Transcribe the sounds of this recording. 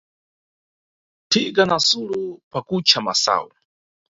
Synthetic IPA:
tʰiɡanasulupakut͡ʃʰama̰sa̰u

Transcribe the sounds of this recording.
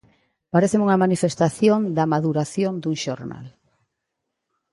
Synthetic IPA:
paɾeθemuŋɐmanifest̪aθjõnd̪ɐmaðuɾaθjond̪uŋʃoɾna̰l

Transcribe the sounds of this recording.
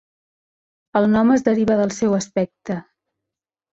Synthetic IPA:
əlˠnɔməzðəɾiβəðəlˠsɛwəspɛk̚t̪ə

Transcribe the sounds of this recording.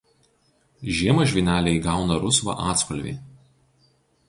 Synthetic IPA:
ʒʲiɛmɐʒʲʋʲɪnʲæːlʲɛɪɡɑˑʊnɐɾʊsʋɐ̰ʔɑːt̪skɔlʲʋʲḭː

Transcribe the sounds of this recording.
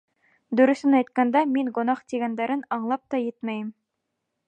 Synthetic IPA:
d̪ɵ̆ɾɵ̆sɘnɑjt̪kɑnd̪æmiŋɡŏnɑχt̪iɡænd̪æɾɘnɑɴlˠɑp̚t̪ɑjɘt̪mæjɘm

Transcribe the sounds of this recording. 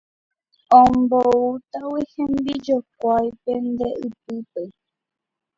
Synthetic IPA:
õmbout̪awihẽmbid͡ʒok̚ʷajpẽnd̪e̞ʔɨpɨpe

